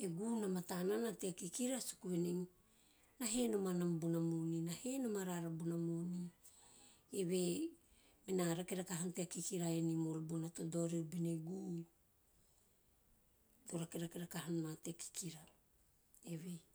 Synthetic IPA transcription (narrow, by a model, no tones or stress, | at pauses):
eɡunamatananateakikiɾasu̥kueniŋ | naɦe̞nomanambunamoninahenomaɾaɾabunamoni | eβe | menaɾakeɾakaɦanteakikiɾaenimoɾubunatodo̞ɾiubineɡu | doɾakeɾakeɾakaɦannateaki̥kiɾa | eβe̞